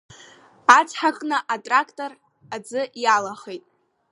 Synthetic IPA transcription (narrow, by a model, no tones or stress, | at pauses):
at͡sʰħakʼnɨʔatʼrakʰtʼor | ad͡zɨʔjalaχejtʼ